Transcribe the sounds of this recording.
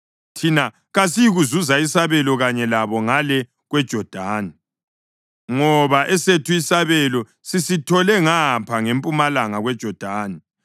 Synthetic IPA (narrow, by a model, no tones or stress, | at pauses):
tʰina | ɣas̬ijiɣuzuzaisaβɛlɔɣaɲɛlaβɔŋalɛ | ɣwɛd̥ʒ̥ʱɔd̥ʱaːni | ŋɔβaʔɛsetʰuisaβɛlɔ | sisitʰɔlɛŋapʰaŋempʼumalaŋaɣwɛd̥ʒ̥ʱɔd̥ʱaːni